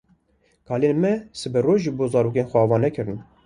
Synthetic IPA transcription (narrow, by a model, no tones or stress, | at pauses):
kʰɑːleːnmɛsɨbɛroːʒɨboːzɑːɾoːk̬eːnxʷɛɑːvɑːnɛkʰɨɾɨn